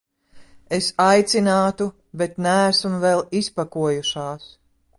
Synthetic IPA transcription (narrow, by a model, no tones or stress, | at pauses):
esajt̪sinaːt̪u | bet̪næːsmvɛlˠispakuɔjuʃaːs